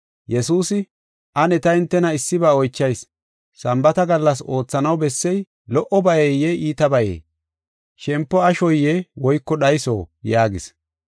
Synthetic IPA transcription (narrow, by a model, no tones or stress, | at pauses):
jɛsuːsɪ | ʔɐnɛt̪ɐɪnt̪ːɛnɐɪsːɪbaːɔjt͡ʃːɐjsː | ɐmbɐt̪ɐɡɐlːɐso̞ːt͡sːɐnɐwbɛsːɛj | lɔʔɔbɐjɛjːɛiːt̪ɐbɐjḛː | ʃɛmpːɔɐʃɔjːɛwɔjkːɔɗɐjso̰ːjaːɡɪs